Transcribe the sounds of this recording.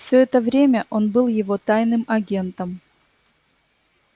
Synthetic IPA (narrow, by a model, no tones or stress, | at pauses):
fsʲɵɛt̪əvɾʲemʲəʔo̞nbɨlˠjɪvo̞t̪ajnɨmɐɡʲe̞nt̪əm